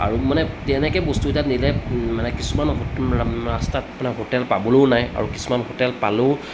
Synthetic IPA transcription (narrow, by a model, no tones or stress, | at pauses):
a̰ɹumanɛtɛnɛkɛbɔstutatnilɛmanɛkisumanɦoɹastatmanaɦotɛlpabɔlonaja̰ɹuki̥sumanɦotɛlpalo